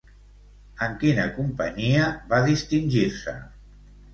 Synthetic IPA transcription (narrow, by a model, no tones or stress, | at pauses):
əŋkinə̰kumpə̰ɲiəβaðist̪inʲʒiɾsə̰